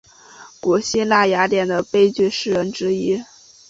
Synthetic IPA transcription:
ku˨˩ɕi˥˧la˥˩ja˧˥t̪jɛ˨˩nd̪ə˦pe˥ɪt͡ɕy˥˧ʂɻ̩˥˩ɻə˧˥nʈ͡ʂɻ̩˥i˥

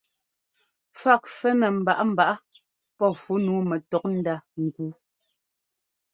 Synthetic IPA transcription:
fa˦˨k̚fɛ˦nɛ˨m̩˨ba˨ʔa˦m̩˨ba˨ʔa˦ | pɔ˦˨fu˨˦nuː˨˦mɛ˨tɔ˨k̚n̩˦da˦ŋ˨ɡu˦

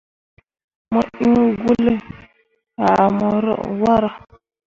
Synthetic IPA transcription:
mɔ˦˨ʔi˦u˦ɡu˦le˦ | a̰˨a˨mɔ˨ɾɔ̰˦wa˦ɾa˨

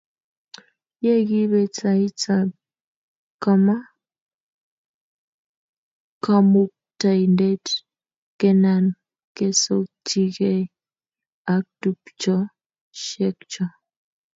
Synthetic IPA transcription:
je˦ɡi˦βe˨t͡sa˨i˦t͡sa˨b̚ | ka˨ma˦ | ka˦mu˦k̚ta˨jnde˦t | ke˦na˨n | ke˦so˦k̚ti˦ɣe˦ | a˨k̚tu˨pt͡ʃɔ˦ | ʃe˦k̚t͡ʃɔ˦

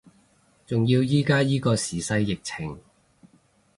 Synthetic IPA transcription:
t͡sʊ˨ŋjiː˧wjiː˥kaː˥jiː˥kɔː˧siː˨sɐ˧jːɪ˨k̚t͡sʰɪ˨˩ŋ

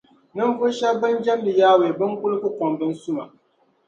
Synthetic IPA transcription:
nɨ˦n˦vʊ˦ʃa˦bɨ˦nd͡ʒa˦m˦lɨ˨jaː˦we˨bɨ˦ŋkʊ˦lɨ˦kʊ˦kʷɔ˨mbɨ˦n˦sʊ˦ma̰˨ʔ

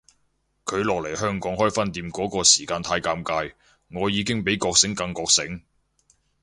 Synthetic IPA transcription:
kʰɵ˨˧ɥlɔː˨k̚le˨˩jhœː˥ŋkɔː˨˥ŋhɔː˥jfɐ˥nt̪iː˧mkɔː˨˥kɔː˧siː˨˩kaː˧nt̪ʰaː˧jkaː˧mkaː˧j | ŋɔː˨˧jiː˨˧kɪ˥ŋpe˨˥jkɔː˧k̚sɪ˨˥ŋkɐ˧ŋkɔː˧k̚sɪ˨˥ŋ

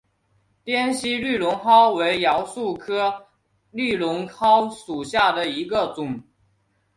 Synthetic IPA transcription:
t̪jɛ˥nɕi˥ly˥˩lʊ˧˥ŋxɑ˥ʊwe˧˥ɪjɑ˧˥ʊsu˥˩kʰɤ˥ | ly˥˩lʊ˧˥ŋxɑ˥ʊʂu˨˩ɕja˥˩d̪ə˩i˧˥ɡə˧˨t͡sʊ˨˩˦ŋ

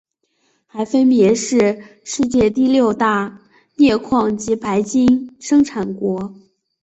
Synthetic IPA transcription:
xa˧˥ɪfə˥npjɛ˧˥ʂɻ̩˥˧ʂɻ̩˥˧t͡ɕjɛ˥˧t̪i˥˧ljo˥˧ʊt̪a˥˩ | njɛ˥˧kʰwɑ˥˩ŋt͡ɕi˧˥pa˧˥ɪt͡ɕi˥nʂɤ˥ŋʈ͡ʂʰa˨˩nkwɔ˧˥

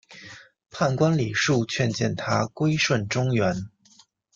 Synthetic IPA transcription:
pʰa˥˩nkwa˥nli˨˩ʂu˥˧t͡ɕʰɥɛ˥˧nt͡ɕjɛ˥˩nt̪ʰa˥kwe˥ɪʂwə˥˩nʈ͡ʂʊ˥ŋɥɛ˧˥n

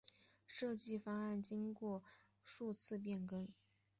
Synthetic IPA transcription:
ʂɤ˥˧t͡ɕi˥˩fɑ˥ŋa˥˩nt͡ɕi˥ŋkwɔ˥˩ | ʂu˥˧t͡sʰɹ̩˥˧p̬jɛ˥˩nkɤ˥ŋ

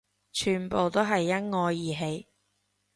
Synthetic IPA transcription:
t͡ʃʰyː˨˩npo˨wt̪o˥wɦɐ˨jːɐ˥t̚ŋɔː˧jːiː˨ɦe˧j

